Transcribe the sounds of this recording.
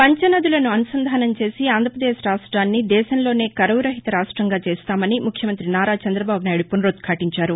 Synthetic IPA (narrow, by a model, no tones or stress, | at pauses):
pɐɲt͡ʃɐnɐd̪ulɐnuɐnusɐnd̪ʱaːnɐmt͡ʃe̞ːsiaːnd̪ʱɾɐpɾɐd̪eːʃɾaːʂʈɾaːnːid̪ɛːʃɐnlo̞ːne̞ːkɐɾɐwuɾɐɦit̪ɐɾaːʂʈɾɐŋɡaːt͡ʃeːst̪aːmɐnimukʰjɐmɐnt̪ɾinaːɾaːt͡ʃɐnd̪ɾɐbaːbunaːjɽupunɾot̪̚kʰaːʈiɲt͡ʃaːɾu